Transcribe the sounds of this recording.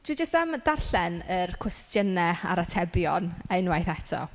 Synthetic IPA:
d̥wid͡ʒəstamdarɬɛnərkʰwɛstʰjənɛa̰ɾatʰɛbjɔnejnwajθɛtʰɔ̰

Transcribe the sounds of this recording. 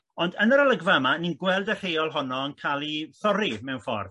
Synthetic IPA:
ɔndənəɾəlˠəɡvamaninɡwɛlˠdər̥ejɔlˠɦɔnɔənkʰalˠiθɔɾimɛwnfɔ̰rð

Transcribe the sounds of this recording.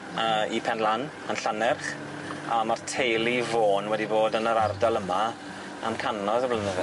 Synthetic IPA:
əːipʰɛnlˠan | ənɬanɛrχ | amartʰejlˠivoːnwɛdiboːdənəɾardɔlˠəma | amkʰanɔðəblənəðɛ

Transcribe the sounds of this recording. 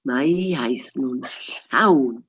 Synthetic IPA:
majɦajsnunhaw

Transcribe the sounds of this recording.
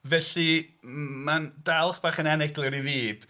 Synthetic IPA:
vɛɬi | mandalˠχb̥aːχənɛnɛɡlˠɨɾiðiːb̥

